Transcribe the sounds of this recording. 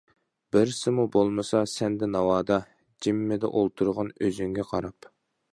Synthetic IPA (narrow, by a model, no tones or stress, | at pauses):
b̥ɪɾsɪmubolˠmɨsɑsɛnd̪ɛnɑwɑːd̪ɑ | d͡ʒimːɪd̪ɛ̰ʔolˠt̪ʰuɾʁɑnøzyŋɡʲɛqʰɑɾɑp